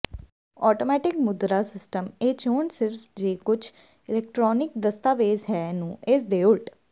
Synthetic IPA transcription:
ɔːʈoːmɛːʈɪkmʊd̪ɾaːsɪsʈəmeːt͡ʃoːɳsɪɾfʰd͡ʒeːkʊt͡ʃʰ | ɪlɛːk̚ʈɾɔːnɪk̚d̪əst̪aːʋeːzɦɛːnũːʔesd̪eːʊɭʈ

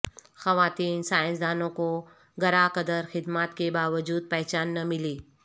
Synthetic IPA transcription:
xɐʋaːt̪iːnsaːɪ̃ns̬d̪aːnõko | ɡɐɾakɐd̪əɾxɪd̪maːt̪kebaːʋəd͡ʒuːd̪̚pɛɦt͡ʃaːnːɐmɪliː

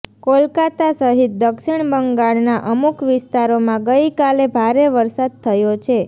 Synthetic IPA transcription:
kolkat̪asəɦit̪̚d̪əkʃiɳbəŋɡaɭnaʔəmukʋɪst̪aɾomãɡəjkalebʱaɾeʋəɾsad̪̚t̪ʰəjot͡ʃʰe

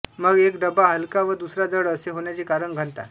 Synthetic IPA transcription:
məɡekɖəbaɦəlkaʋəd̪usɾad͡zəɽəseɦoɳjat͡ɕiːkaɾəɳɡʱəɳt̪a̰

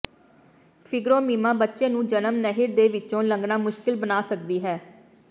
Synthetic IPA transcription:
pʰɪɡɾõːmiːmãːbətːʃẽːnũːd͡ʒənəmnəɦɪɾd̪eːʋɪtːt͡ʃõːləŋɡnãːmʊʃkɪlbənaːsəkd̪iːɦɛː

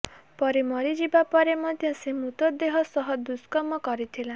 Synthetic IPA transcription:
pɔɾimɔɾid͡ʒibapɔɾemɔd̪ʱjɔsemut̪ɔd̪eɦɔsɔɦɔd̪uskɔmɔkɔɾit̪ʰilã

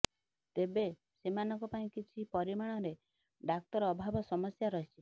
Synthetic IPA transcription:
t̪ebe | semanɔŋkɔpaĩkit͡ʃʰipɔɾimaɽ̃ɔɾe | ɖak̚t̪ɔɾɔbʱabɔsɔmɔsjaɾɔɦit͡ʃʰi

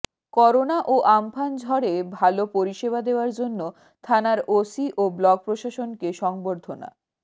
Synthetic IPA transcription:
kɔɾonaʔoʔampʰand͡ʑʱɔɾebʱalopoɾiʃeβad̪eoaɾd͡ʑonːo | t̪ʰanaɾosiʔoblɔɡ̚pɾoʃaʃonkeʃɔŋboɾd̪ʱona̰

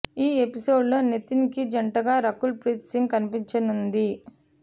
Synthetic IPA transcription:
iːe̞piso̞ːɖlo̞ːnet̪ːinikid͡ʒɐɳʈɐɡaːɾɐkːulpɾiːt̪siŋɡkɐnipiɲt͡ʃɐnund̪i

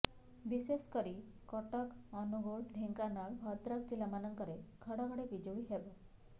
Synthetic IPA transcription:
biseskəɾi | kɔʈəkɔnuɡoɽɖʱeŋkanaɭbʱɔt̪ɾakt͡ɕilamanəŋkəɾekʰəɽãkəɽeʋid͡ʑəʋiɦeʋə

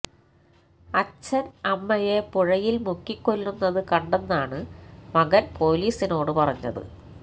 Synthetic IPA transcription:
ɐt͡ɕːɐnɐmːɐjepuɻɐjilmukːikːo̞lːunːɐðɨkɐɳɖenːaːɳɨmɐɣɐnpo̞ːliːsino̞ːɽɨpɐrɐɲːɐ̰ðɨ̰

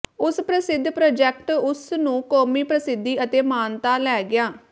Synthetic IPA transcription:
ʊspɾəsɪd̪ʱːpɾoːd͡ʒɛk̚ʈʊsnũːkoːmiːpɾəsɪd̪ʱːiːət̪eːmaːnt̪aːlɛːɡɪjaː

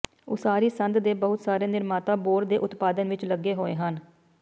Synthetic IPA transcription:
oːsaːɾiːsənd̪d̪eːbəɦʊt̪saːɾeːnɪɾmaːt̪ãːboːɾd̪eːʔʊt̪paːd̪ənʋɪt͡ʃləɡːeːɦoːḛːɦən

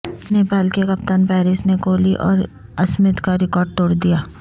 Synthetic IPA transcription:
neːpaːlkekɐpt̪ənpɛːɾɪsnekoːliʔɔ̰ːɾ | ɐsmɪt̪kaɾɪkɔːɾɖ̚t̪oːɽd̪ijaː

